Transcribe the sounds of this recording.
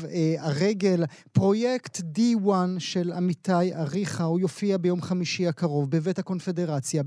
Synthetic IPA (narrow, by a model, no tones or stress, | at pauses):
vaʁeɡe̞l | pʁo̞jektdiwanʃe̞lamitajaʁiχaujo̞fiabejo̞mχamiʃiakaʁo̞vbevethako̞nfe̞de̞ʁat͡sja